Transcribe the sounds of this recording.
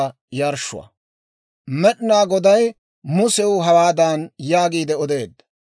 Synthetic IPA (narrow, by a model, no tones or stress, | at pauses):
jɐɾʃʊ̰wɐ̰ | mɛɗnaːɡɔd̪ɐj | mʊsɛwʊɦɐwaːd̪aːnjaːɡiːd̪ɛɔd̪e̞ːd̪ːɐ